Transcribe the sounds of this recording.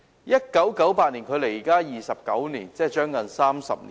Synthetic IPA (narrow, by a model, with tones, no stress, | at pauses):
jɐ˥t̚kɐ˨˥wkɐ˨˥wpaː˧t̚niː˨˩nkʰɵ˨˧ɥle˨˩jiː˨˩kaː˥jiː˨sɐ˨p̚kɐ˨˥wniː˨˩nt͡sɛː˥t͡ʃœː˥ŋkɐ˨nsaː˥msɐ̰˨p̚ni˨